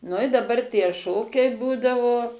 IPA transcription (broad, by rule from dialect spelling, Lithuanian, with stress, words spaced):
nʊ ɪ dɐˈbɐr tʲiɛ ˈʃoːkʲɛɪ ˈbuːdɐʋoː